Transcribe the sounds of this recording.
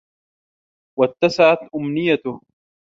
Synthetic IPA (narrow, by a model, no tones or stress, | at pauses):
wat̪ːasaʕat̪ʔʊmnɪjːat̪ʊ